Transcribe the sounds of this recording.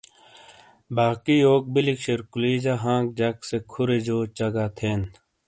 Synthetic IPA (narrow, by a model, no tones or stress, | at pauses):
baːkioːk̚bilikɕeɾkuliːd͡ʑaɦãːk̚d͡ʑɐksekʰʊɾed͡ʑoːt͡ɕɐɡaːt̪ʰeːn